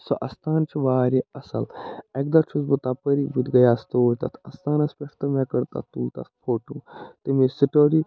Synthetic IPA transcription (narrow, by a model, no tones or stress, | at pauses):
soʔɐst̪ʰaːnt͡ʃʰiʋaːɾiɐsɐlek̚d̪ɐt͡ʃʰusbut̪apəɾibut̪ʲɡɐjaːst̪oːjt̪ɐt̪ʰɐst̪aːnɐspeʈʰt̪ɐmɛkɐɾt̪a̰t̪uːlt̪a̰t̪pʰoːʈuːt̪imesiʈoːɾi